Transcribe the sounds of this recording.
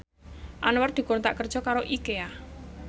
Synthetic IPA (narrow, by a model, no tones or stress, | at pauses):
ʔanward̪̥i̤koɾnt̪a̰ʔkərd̥ʒ̥ɔ̤kaɾoʔikea